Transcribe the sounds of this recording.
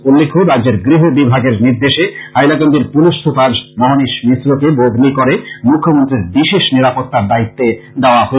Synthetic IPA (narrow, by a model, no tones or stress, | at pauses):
ulːekʰoɾaeɾɡɾiɦebibʱaɡeɾniɾd̪eʃehajlakand̪eɾpuluʃt̪ʰupad͡ʑmɔɦaniʃmisɾokebod̪ʱnikoɾemukʰːomont̪ɾiɾbiʃeʃniɾapot̪ːaɾd̪ait̪ːed̪eoaɦo